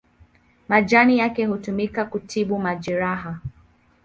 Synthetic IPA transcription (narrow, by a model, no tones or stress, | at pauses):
mad͡ʒanijakɛhutumikakutʰiɓumad͡ʒɛɾaɦa